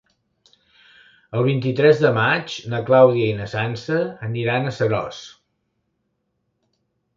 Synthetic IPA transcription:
əlˠβ̞int̪it̪ɾɛzðəmad͡ʒnəklawðiəinəsansəːniɾanəsəɾɔ̰s

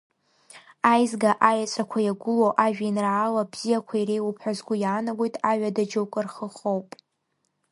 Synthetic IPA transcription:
ajzɡaʔajat͡sʷʼakʷʰajaɡʷʊloʔaʒᶣainraːlabz̥ijakʷʰairejwupʰħazɡʷʊjaːnaɡʷojtʼaɥʷᶣadad͡ʒowkʷʼɨrχəχowpʼ

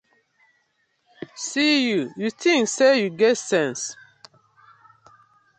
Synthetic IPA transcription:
sijujuθĩŋksejuɡɛtsɛ̃ns

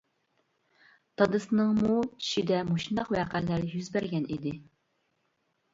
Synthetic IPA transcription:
t̪ʰɑd̪ɨsɨnɨŋmui̥ʃid̪ɛmoʃund̪ɑqwɛːqælːæɾjyzbæɾɡʲɛnid̪ɪ

